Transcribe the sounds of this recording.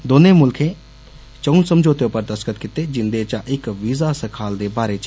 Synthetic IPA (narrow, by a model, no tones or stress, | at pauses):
d̪oːneːmʊlkʰẽː | t͡ʃəunsəmd͡ʒoːt̪eopəɾd̪əskət̪kɪt̪eːd͡ʒɪnd̪eːt͡ʃaʔɪkʋiːzaːsəkʰaːld̪eːbaːɾeːt͡ʃ